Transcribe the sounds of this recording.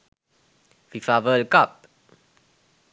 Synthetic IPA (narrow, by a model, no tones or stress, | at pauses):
fifavəlkap̚